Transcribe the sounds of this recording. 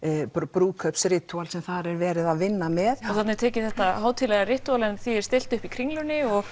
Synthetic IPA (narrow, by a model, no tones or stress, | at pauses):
pɾuːkʰœpsɾɪːt̪ualsɛmθaɾɛɾvɛːɾɪðaðvɪnːamɛðɔθat̪nɛɾt̪ʰɛːcɪθɛht̪ahaːwt̪ʰɪlɛːɣarɪht̪ualɛnθiɛɾ̥st̪ɪl̥t̪ʏhpikʰɾiŋlʏnɪɔɣ